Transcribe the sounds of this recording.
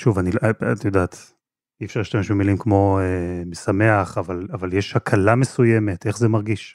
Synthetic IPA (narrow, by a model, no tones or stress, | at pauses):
ʃuvanilʔa̰tajodaːt̪ | ifʃaʁiʃtameʃmemilimkmo̞emesame̞aχavalavaljeʃhakʰalamesuje̞me̞te̞χzemaʁɡiʃ